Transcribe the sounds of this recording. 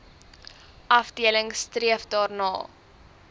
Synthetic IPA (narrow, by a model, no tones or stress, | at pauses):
ʔɐfdiələŋstriəfdɑːrnɑː